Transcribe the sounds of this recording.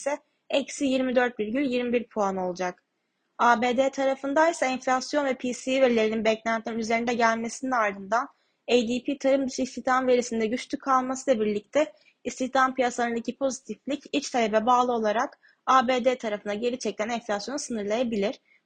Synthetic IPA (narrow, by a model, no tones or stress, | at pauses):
sɛ | ɛcsijiɾmid̪øɾt̪̚biɾɟylʲjiɾmibiɾpʰuano̞lˠud͡ʒak | aːbeːd̪eːt̪ʰaɾafɯnd̪ajsaɛnflʲasjo̞nvɛpʰiːsiveɾlʲe̞ɾininbɛclʲænt̪ʰininyze̞ɾind̪ɛɟælʲme̞sininaɾd̪ɯnd̪an | ejd̪ipʰiːt̪ʰaɾɯmd̪yʃist̪ʰiçt̪ʰamve̞ɾisind̪ɛɟyt͡ʃlʰykʰalˠmasɯlˠabiɾlʲic̚t̪ʰɛ | ist̪içt̪ʰampijasand̪acʰipʰo̞zit̪ʰiflʲicit͡ʃt̪ʰalʲebɛbaːlˠɯo̞lˠaɾak | aːbeːd̪eːt̪ʰaɾafɯnd̪aɟe̞ɾit͡ʃʰɛc̚t̪ʰænɛnfʲlʲasjo̞nusɯnɯɾlˠajabilʲiɾ̥